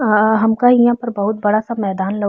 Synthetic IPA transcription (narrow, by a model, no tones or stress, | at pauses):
ɦɐmkaijãpɐɾbɐɦʊt̪̚bɐɽasamɛːd̪aːnlɐ